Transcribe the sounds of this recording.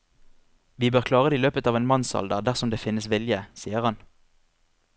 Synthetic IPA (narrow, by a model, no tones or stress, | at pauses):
ʋiːbøːʁkʰlɑːʁəd̪eiːløːpət̪ɑːʋeːnmɑnsɑ̰ld̪əʁd̪æʁsɔmd̪eːfɪnəsʋɪljəsiːəʁhɑn